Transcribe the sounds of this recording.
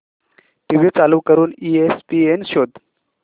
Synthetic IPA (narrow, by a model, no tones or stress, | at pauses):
ʈiʋit͡salukəɾuːniespienɕod̪